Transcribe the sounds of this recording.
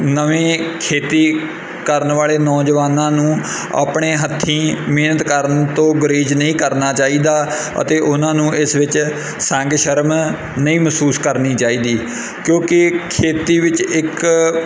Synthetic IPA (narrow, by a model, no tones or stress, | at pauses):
nəʋẽːkʰeːt̪iː | kəɾnʋaːleːnɔːd͡ʒʋaːnãːnũː | a̰ːpɳeːɦət̪ʰːĩːmeːnət̪kəɾənt̪õːɡəɾiːd͡ʒnəĩːkəɾnaːt͡ʃaːiːd̪aː | ə̰t̪eːʔʊnãːnũːʔɪsʋɪt͡ʃ | sɛ̃ːŋɡʃəɾm | nəĩːməsuːskəɾniːt͡ʃaːiːd̪iː | kjõːkɪkʰeːt̪iːʋɪt͡ʃɪk